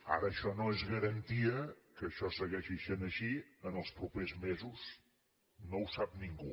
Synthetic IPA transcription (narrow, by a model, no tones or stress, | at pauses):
a̰ɾəːʃɔnoezɣəɾənt̪iəkəʃɔsəɣɛʃiʃenəʃiənəlˠspɾupezmezus | nowsap̚niŋɡu